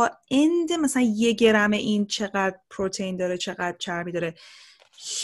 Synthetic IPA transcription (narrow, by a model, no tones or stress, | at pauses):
ɒend̪emæsælænje̞ɟe̞ɾæmeʔint͡ʃʰe̞ɣæd̪̥ɾpʰɾot̪ʰejind̪ɒːɾet͡ʃʰe̞ɣæd̪̥t͡ʃʰæɾmid̪ɒːɾe | h